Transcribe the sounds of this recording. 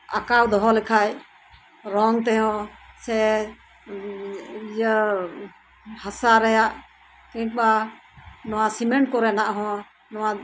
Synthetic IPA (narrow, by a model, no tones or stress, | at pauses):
akawd̪ɔɦɔlɛkʰaj | ɾɔŋt̪ɛɦɔ̃sɛ | jə | hasaɾɛjaʔ | kɛ̃k̚ɓa | nɔwasimɛɳʈkɔɾɛnaʔɦɔ̃ | nɔwa